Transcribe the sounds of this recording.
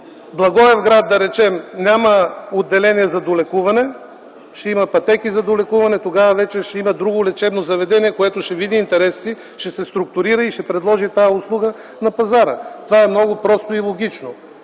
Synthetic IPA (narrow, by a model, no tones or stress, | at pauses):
blˠɐɡɔɛvɡɾad̪̚ːɐɾɛt͡ʃɛmnʲamɐod̪ːɛlɛniɛzɐd̪olɛkuvɐnɛ | ʃɛimɐpɐt̪ɛkizɐd̪olɛkuvɐnɛt̪oɡavɐvɛt͡ʃɛʃɛimɐd̪ɾuɡʊlɛt͡ʃɛbnozɐvɛd̪ɛniɛkoɛt̪oʃɛvid̪iːnt̪ɛɾɛsːi | ʃɛsɛst̪ɾʊk̚t̪ʊɾiɾəiʃɛpɾɛd̪lˠɔʒit̪ajəʊslˠuɡə | nɐpɐzaɾə̰t̪ovaɛmnɔɡʊpɾɔst̪ʊilˠoɡ̟it͡ʃno